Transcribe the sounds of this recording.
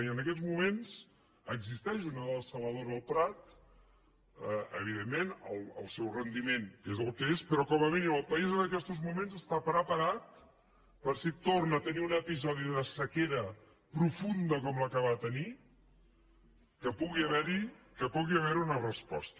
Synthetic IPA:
iənəkɛzmumenz | əɡzist̪ɛʃunəðəlˠsəlˠβəðoɾəlˠpɾat̪ | əə̰β̞iðemːenəlˠə̰lˠsɛwrənd̪imeŋkezəlˠkəespɾɔkɔməminiməlˠpəizənəkɛst̪uzmumenzəst̪apɾəpəɾat̪̚ | pəɾsit̪ornəːt̪əniunəpizɔðiðəsəkeɾə | pɾufund̪əkɔmləkaβaðət̪əni | kəpuɣiəβɛɾi | kəpuɣiəβɛɾiunərəspɔ̰st̪

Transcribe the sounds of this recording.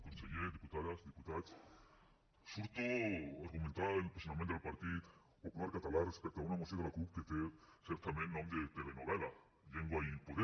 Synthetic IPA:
konseʎeɾd̪iput̪aðasd̪iput̪ats | suɾt̪oaɾɣumẽnt̪aɾelpesonament̪elpaɾt̪ið | populaɾkat̪alarespek̚t̪oaunamoseklakupket̪eseɾt̪amjenːomɾet̪eβenoβela | ʝeŋɡoaipoðe

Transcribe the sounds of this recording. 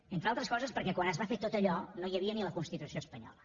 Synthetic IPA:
ent̪ɾalˠt̪ɾəskɔzəspəɾkɛkwanəzβafet̪ot̪əʎɔnojəβiəniləkunst̪it̪usioəspəɲɔ̰lə

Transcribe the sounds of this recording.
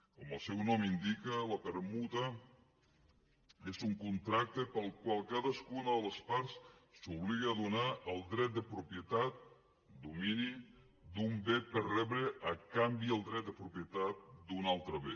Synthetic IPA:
kɔməlˠsɛwnɔmind̪ikələpəɾmut̪ə | ezuŋkunt̪ɾak̚t̪əpəlˠkwalˠkaðəskunəðələspaɾsːuβliɣəːðunaʔəlˠd̪ɾɛt̪̚d̪əpɾupjət̪at̪̚ | d̪umini | d̪umbepəɾrɛβɾəʔəkambiəlˠd̪ɾɛt̪̚d̪əpɾupiət̪at̪̚d̪unalˠt̪ɾəβe

